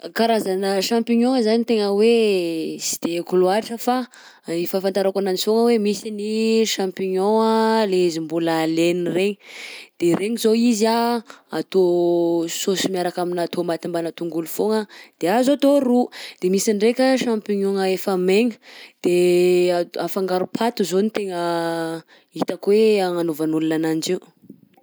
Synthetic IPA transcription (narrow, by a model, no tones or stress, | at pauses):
kaɾazanəʃampiɲoŋəzanit̪eŋəwe | si̥d̪̥ekuluaɾiʈ͡ʂəfa | ifafant̪aɾakananifoŋəwemisiniʃãmpiɲoŋəleizimbuləlenireɲid̪̥eɾeɲizoizaat̪o | sosimiaɾakaminat̪omat̪imbanat̪uŋɡulufoŋəd̪̥eazot̪oɾud̪̥emisiɳɖ͡ʐekʲəʃampiɲoŋəefameŋə̥d̪̥e | afaŋɡaɾupʰat̪uzonit̪eŋə | it̪akweaŋanovanulunanand͡ʒiw